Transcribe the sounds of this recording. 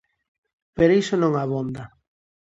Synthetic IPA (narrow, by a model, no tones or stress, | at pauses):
peɾoisonõŋaβond̪a